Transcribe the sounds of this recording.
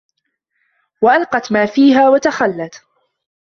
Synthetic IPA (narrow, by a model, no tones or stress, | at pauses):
waʔalqɑt̪maːfiːɦaːwat̪axalːat̪